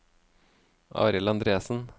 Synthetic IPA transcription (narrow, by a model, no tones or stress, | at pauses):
ʔɑ̰ːɾɪlɑnd̪ɾeːsn̩